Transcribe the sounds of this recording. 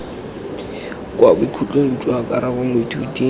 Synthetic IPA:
kʼwabukʰut͡ɬʼon̩t͡ʃʼwakʼaɾabamʊitʰiutʼi

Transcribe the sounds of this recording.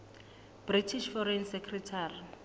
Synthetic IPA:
b̥ritʰiʃfɔɾɛnsɛkʰrɛtʰari

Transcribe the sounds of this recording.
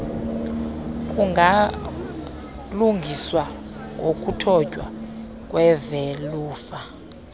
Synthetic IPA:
k̬ʼuŋʱa | luŋɡʱiswa | ŋɡʱok̬ʼutʰɔɟʱʼwa | kʼwɛveluːfa

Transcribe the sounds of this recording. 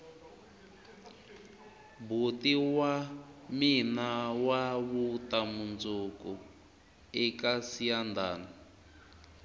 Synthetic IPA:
butiwaminawaβutamund͡zuku | ikasijandaːna

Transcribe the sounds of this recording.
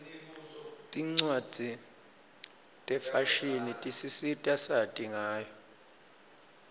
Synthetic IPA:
tʼiŋ͡ǀwad̥ʱi | tʼɛfaʃinitʼisisitʼasatʼiŋaːjɔ

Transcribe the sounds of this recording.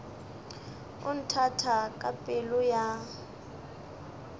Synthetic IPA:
ʊ̰n̩tʰatʰakʼapʼɪlʊja

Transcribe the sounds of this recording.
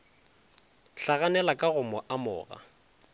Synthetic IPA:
ɬaɣanɛlakʼaɣʊmɔʔamʊ̰ːɣa̰

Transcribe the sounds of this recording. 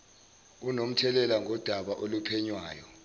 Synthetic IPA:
unom̩tʰɛlɛlaŋɔd̥ʱaɓaʔolupʰɛɲwaːjɔ

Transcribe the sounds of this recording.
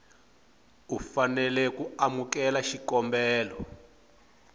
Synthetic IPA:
ufanɛlɛkuamukɛlaʃikɔmbɛːlɔ

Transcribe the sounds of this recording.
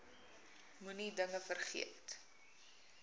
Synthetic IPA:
munidəŋəfərχḭət

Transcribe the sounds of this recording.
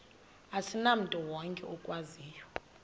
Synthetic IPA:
aʃʰinam̩tʼɔwɔŋkʼɛɔkʼwaziːjɔ

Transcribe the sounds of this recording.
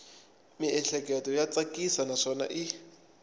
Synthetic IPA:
mɪɛɬɛkʼɛtʼɔjat͡sʼakʼisanaʂɔna̰ʔɪ

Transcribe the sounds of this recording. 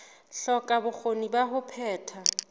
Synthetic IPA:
ɬɔkʼabʊk͡xonibahʊpʰɛːtʰa

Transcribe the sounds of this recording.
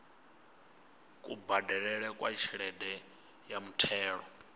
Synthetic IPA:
kʼubadɛɺɛɺɛkʼwa̰t͡ʃʰiɺɛdɛ | jamutʰɛːɺɔ

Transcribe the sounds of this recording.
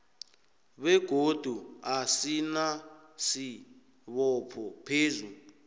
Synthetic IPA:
ɓɛɡ̥ʱod̥ʱuasinasi | βɔpʰɔpʰeːzu

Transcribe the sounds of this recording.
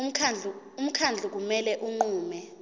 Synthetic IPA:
kʰanʱ | um̩kʰand͡ɮʱuk̬umɛlɛʔuŋ͡ǃuːmɛ

